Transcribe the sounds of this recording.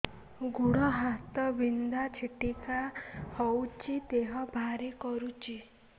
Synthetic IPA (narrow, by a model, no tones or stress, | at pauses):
ɡuɽ̃ɔɦat̪ɔbind̪at͡ʃʰiʈikahowt͡ʃʰit̪eɦɔbʱaɾikɔɾut͡ʃʰi